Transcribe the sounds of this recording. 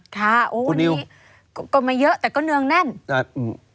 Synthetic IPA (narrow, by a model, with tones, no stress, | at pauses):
k̪ʰaː˧˩ʔoː˨˧ni˧w | kːkɔː˧˥˩maː˧˩jɤ˦˥ʔt̪ɛː˨˩kɔː˥˩nɯ˧əŋna˥˩na˧˩ɯ˧˩